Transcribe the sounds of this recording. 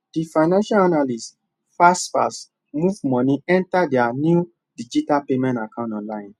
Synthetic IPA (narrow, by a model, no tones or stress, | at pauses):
d̥ifaɪnãnʃalanalis | fasfa̰s | muvmɔ̃nĩɛ̃ntadɛanju | did͡ʒitalpemɛ̃ntakãntɔ̃nlaɪ̃n